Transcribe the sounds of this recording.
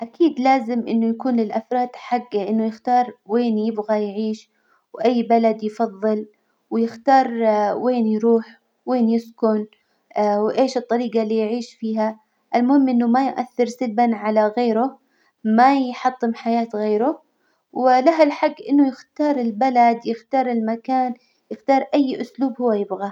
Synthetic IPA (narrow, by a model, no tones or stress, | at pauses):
ʔakʰiːd̪laːzɪmʔɪ̰nːʊjakuːnlɪlʔafɾˤɑːd̪ħaɡːaʔɪnːʊjɪxt̪ɑːɾˤweːnjɪbɣajʕiːʃ | wʔajːbalad̪jfɑðˤːɨl | wjɪxt̪ɑːɾˤweːnjɾuːħ | weːnjɪskʊn | wʔeːʃɨt̪ˤːɑɾiːɡalːiːjʕiːʃfiːɦa | ʔɪlmʊhɪmːʔɪnːʊmajʔa̰θːɪɾsɪlbanʕalaɣeːɾʊ | majħɑt̪ˤːɨmħajaːt̪ɣeːɾʊ | wɪlaɦalħaɡːʔɪnːʊjɪxt̪ɑːɾˤɪlbalad̪jɪxt̪ɑːɾˤɪlmakaːn | jɪxt̪ɑːɾˤʔajːʔʊsluːbhʊwːajɪbɣa